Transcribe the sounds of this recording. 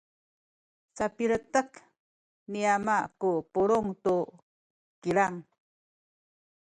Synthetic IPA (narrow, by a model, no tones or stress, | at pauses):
sapiɭətək | niamakupuɭuŋtu | kiɭaŋ